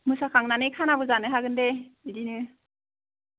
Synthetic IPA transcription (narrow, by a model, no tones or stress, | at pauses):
mɯsakʰaŋnanɯjkʰanabɯzanɯɦaɡɯndeidinɯ